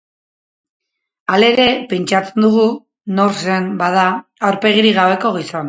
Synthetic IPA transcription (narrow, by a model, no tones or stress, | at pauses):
ale̞ɾe̞pe̞nt͡ʃat͡se̞nd̪uɣ̞u | no̞ɾsenbaðaːwɾpe̞ɣiɾiɣaβe̞ko̞ɣ̞ison